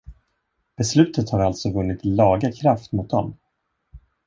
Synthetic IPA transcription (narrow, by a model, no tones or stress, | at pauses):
b̥ɛslʉ̟ːt̪ət̪haɾalt̪sɔvɵnːɪt̪lɑːɡakʰɾaft̪mʊt̪̚d̪ɔm